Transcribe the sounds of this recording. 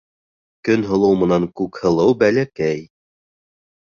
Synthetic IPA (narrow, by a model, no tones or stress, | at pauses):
kɵnɦɤ̆lˠɤwmɤ̆nɑŋkʉkhɤ̆lˠɤwbælækæj